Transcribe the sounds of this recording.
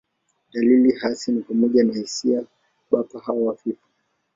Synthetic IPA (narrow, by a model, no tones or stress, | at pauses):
ɗalilihasinipamɔʄanahisia | ɓapahawawafipḁ